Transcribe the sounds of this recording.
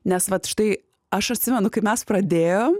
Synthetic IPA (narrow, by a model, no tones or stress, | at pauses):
nʲɛsʋɐt̪ʃt̪ɐɪ | ɐʃɐt̪ʲsʲɪmʲɛnʊkɐɪpmʲɛspɾɐd̪ʲeːjoːm